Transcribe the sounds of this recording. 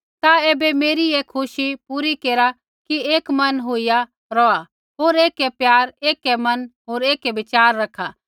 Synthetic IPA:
t̪aeːbemeːɾieːkʰʊʃipuɾikeːɾa | kieːkmɐnɦoːija | ɾɔːa | ɦoːɾeːkepjaːɾeːkemɐnɦoːɾeːkebɪt͡ʃaːɾːɐkʰːaː

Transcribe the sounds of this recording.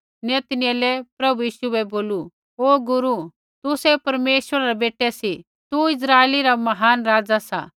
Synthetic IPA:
njɐt̪nɪjalɛpɾɐbujiːʃuɛboːlu | oːɡʊɾu | t̪ʊsɛpɐɾmeːʃwəɾaɾɛbeːʈɛsi | t̪uɪs̬ɾaːeliɾamɐɦaːnɾaːd͡zasa̰

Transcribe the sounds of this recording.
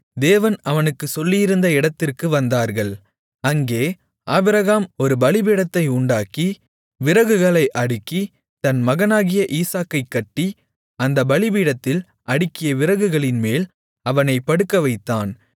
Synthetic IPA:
d̪eːʋɐnɐʋɐnɯkːɯsɔlːɪjɪɾɯnd̪ɐɪɽɐt̪ːɪrkɯʋɐnd̪aːɾɣɐɭ | ɐŋɡeː | ʔaːbɪɾɐɣaːmɔɾɯbɐlɪbiːɽɐt̪ːɐɪʊɳɖaːki | ʋɪɾɐɣɯɣɐɭɐɪʔɐɽɯkːi | t̪ɐnmɐɣɐnaːɣɪjɐʔiːsaːkːɐɪkːɐʈːi | ɐnd̪ɐbɐɭɪbiːɽɐt̪ːɪl | ʔɐɽɯkːɪjɐʋɪɾɐɣɯɣɐɭɪnmeːl | ɐʋɐnɐɪpːɐɽɯkːɐʋɐɪt̪ːaːn

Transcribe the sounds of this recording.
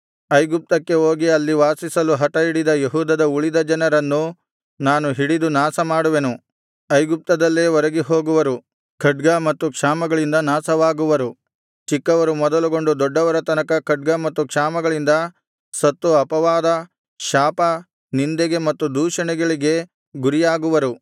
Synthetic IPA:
ɐjɡup̚t̪ɐkːe̞oːɡiɐlːiʋaːsisɐluɦɐʈɐiɽid̪ɐjeɦuːd̪ɐd̪ɐuɭid̪ɐd͡ʒɐnɐɾɐnːu | naːnuɦiɽid̪unaːsɐmaːɽuʋenu | ɐjɡup̚t̪ɐd̪ɐlːeːʋɔɾɐɡiɦo̞ːɡuʋɐɾu | kʰɐɖ̚ɡɐmɐt̪ːukʂaːmɐɡɐɭind̪ɐnaːsɐʋaːɡuʋɐɾu | t͡ʃikːɐʋɐɾumɔd̪ɐluɡo̞ɳɖud̪ɔɖːɐʋɐɾɐt̪ɐnɐkɐkɐɖ̚ɡɐmɐt̪ːukʂaːmɐɡɐɭind̪ɐ | sɐt̪ːuɐpɐʋaːd̪ɐ | ʃaːpɐ | nind̪ɛɡe̞mɐt̪ːud̪uːʃɐɳɛɡɐɭiɡe̞ | ɡuɾijaːɡuʋɐɾu

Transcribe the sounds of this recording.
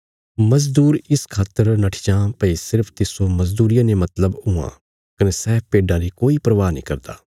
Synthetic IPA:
mɐzd̪uːɾɪskʰaːt̪əɾnɐʈʰɪ̥d͡ʒãːpɐisɪɾpʰt̪ɪsomɐzd̪uːɾijãːnemɐt̪ləbʊã̰ː | kɐnesɛːpʰpeːɖãːɾikoːipɾəʋaːnḭ̃kɐɾd̪a̰ː

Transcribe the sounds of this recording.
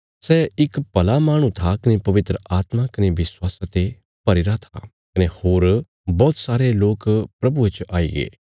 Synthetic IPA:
sɛɪkpɐlamaːɽ̃ũt̪ʰakɐnepɐʋɪt̪ɾəaːt̪makɐneʋɪswaːsat̪e | pɐɾɪɾat̪ʰa̰ | kɐnehoːɾ | bɔːt̪saːɾeloːkpɾɐbuet͡ʃʔaːḭːɡḛː

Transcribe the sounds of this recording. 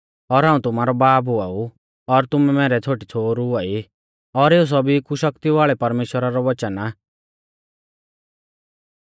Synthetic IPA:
ɔɾɦãːũt̪ʊmaːɾɔbaːp̬ʊau | ɔɾt̪ʊmɛmɛːɾɛt͡sʰoːʈit͡sʰoːɾʊai | ɔɾeːus̬ɔbʱikuʃɐkt̪iʋaːɭɛpɐɾmeːʃwəɾaɾɔʋɐt͡ʃəna

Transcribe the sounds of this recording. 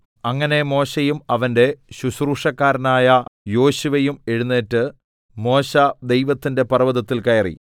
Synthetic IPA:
ɐŋːɐne̞mo̞ːɕɐjumɐʋɐnde̞ɕuɕruːʂɐkːaːɾɐnaːjɐjo̞ːɕuʋɐjume̞ɻunːeːtːɨ | mo̞ːɕɐd̪e̞jʋɐt̪ːinde̞pɐrɐʋɐðɐt̪ːilkɐjɐrḭ

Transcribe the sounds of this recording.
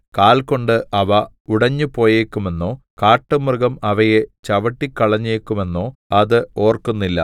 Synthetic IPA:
kaːlko̞ɳɖɨʔɐʋɐ | uɽɐɲːupo̞ːjeːkːume̞nːo̞ː | kaːʈːɨmrɨɣɐmɐʋɐje̞t͡ɕɐʋɐʈːikːɐɭɐɲːeːkːume̞nːo̞ːɐðɨo̞ːrkunːilːɐ̰

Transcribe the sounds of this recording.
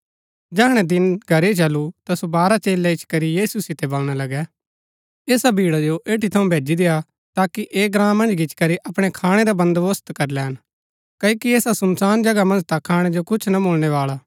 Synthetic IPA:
d͡ʒɛɦɽ̃ɛ̃d̪ɪnɡʱɐɾet͡ʃɐlut̪asobaːɾat͡ʃeːlːaɪt͡ʃʰkɐɾijiːsusɪt̪ɛbɐlɽ̃alɐɡɛ | eːsabʱiːɽad͡ʒoʔeːʈit̪ʰɐũbʱeːd͡ʒid̪eːa | t̪aːkiʔeːɡɾãːmɐ̃nd͡ʒɡɪt͡ʃkɐɾiʔɐpɽ̃ekʰaːɽ̃ed̪abɐ̃nd̪ʋʊst̪kɐɾlɛːn | kɐokieːsasɐmsaːnd͡ʒɐɡamɐ̃nd͡ʒt̪akʰaːɽ̃ed͡ʒokʊt͡ʃʰnaboːlɽ̃eʋaːla

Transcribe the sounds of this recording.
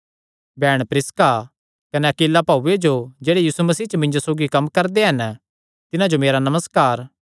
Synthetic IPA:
bɛːɽ̃pɾɪska | kɐnɛɐkiːlːapaːuːed͡ʒod͡ʒeːɽejiːsumɐsiːt͡ʃəmɪ̃nd͡ʒosoːɡikɐmːkɐɾd̪eɦɐn | t̪ɪnãd͡ʒomeːɾanɐməskaːɾ

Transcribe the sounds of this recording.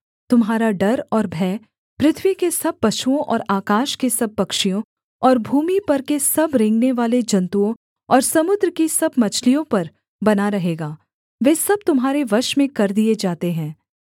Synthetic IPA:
t̪ʊmɦaːɾaɖɐɾɔːɾbʱɛː | pɾɪt̪ʰʋikesɐb̚pɐʃuõʔɔ̰ːɾaːkaːʃkesɐb̚pɐkʃijõ | ɔːɾbʱuːmipɐɾkesɐbɾẽːŋɡneʋaːled͡ʒɐ̃nt̪uõ | ɔːɾsɐmʊd̪ɾəkisɐbmɐt͡ʃʰlijõpɐɾ | bɐnaɾɐɦeːɡaː | ʋeːsɐb̚t̪ʊmɦaːɾeʋɐʃmẽkɐɾd̪ied͡ʒaːt̪eɦɛ̃ː

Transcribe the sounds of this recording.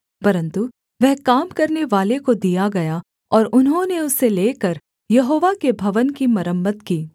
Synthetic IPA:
pɐɾə̃nt̪u | ʋɛɦkaːmkɐɾneʋaːlekod̪ijaɡɐja | ɔːɾʊnɦõneʊsːeleːkɐɾ | jɐɦoːʋakebʱɐʋənkimɐɾəmːət̪kiː

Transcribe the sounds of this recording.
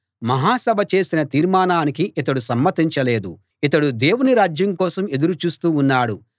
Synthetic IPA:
mɐɦaːsɐbʱɐt͡ʃe̞ːsinɐt̪iːɾmaːnaːnik̬iʔit̪ɐɽusɐmːɐt̪iɲt͡ʃɐle̞ːd̪u | it̪ɐɽud̪e̞ːwuniɾaːd͡ʒjɐŋkɔːsɐme̞d̪uɾut͡ʃuːst̪uːnːaːɽu

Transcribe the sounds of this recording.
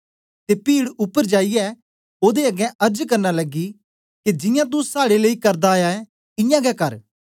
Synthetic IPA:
t̪epiːɽʊpːəɾd͡ʒaːiɛː | oːd̪eɐɡɛ̃ʔɐɾd͡ʒkɐɾnalɐɡi | ked͡ʒɪ̃jãt̪̬usaːɽeleːikɐɾd̪aːjaɛ | ɪ̃jãɡɛkɐɾ

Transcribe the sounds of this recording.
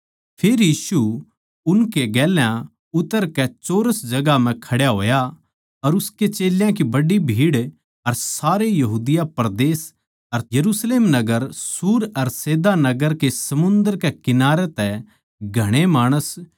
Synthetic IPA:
pʰeːɾjiːsu | ʊnkeɡɛːljã | ʊt̪ːəɾkɛt͡ʃoːɾəsd͡ʒɐɡam̤ɛ̃kʰɐɽjaɦoːja | ɐɾʊsket͡ʃeːljãk̬ibɐɖibʱiːɽ | ɐɾsaːɾejɐɦuːd̪ɪjapɾd̪eːs | ɐɾjɐɾuːsleːmnɐɡəɾsuːɾɐɾseːd̪anɐɡəɾkesɐmʊ̃nd̪əɾkɛkɪnaːɾet̪ɛ | ɡʱɐɽ̃emaːɽ̃əs

